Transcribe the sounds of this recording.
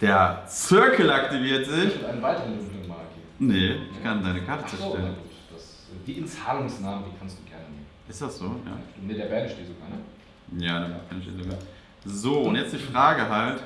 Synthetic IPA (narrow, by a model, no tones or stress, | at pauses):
d̥eːɐt͡sʏɐkəl̩aktiviːɐtz̥ɪçɛdaɪnəvaɪtəʁənʊklɪŋmaːlɡeːb̩nəʔɪçkʰandaɪnəkʰaɐtət͡sɛɐtɛɡuːtd̥as | diːɪnt͡saːlʊŋsnaːməndiːkʰanstd̥uːɡ̥ɛɐnənḛːməʔɪstd̥asz̥oːja̰ːd̥unədeːɐbɛɐnʃteːtz̥oɡa̰ːɐnə | jaːdeɐmakanʃḛːzoɡaːɐ | zoːʊntjɛt͡sd̥iːfʁ̥aːɡəɦalt